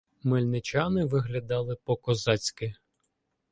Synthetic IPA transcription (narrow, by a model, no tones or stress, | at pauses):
mɪlʲnɪt͡ʃɑnɪʋɪɦlʲɐd̪ɑlˠɪpɔkɔzɑt͡sʲkɪ